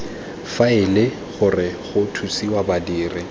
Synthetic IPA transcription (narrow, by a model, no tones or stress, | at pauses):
faɪlɪ | χʊrɪχʊtʰusiwabadiːrɪ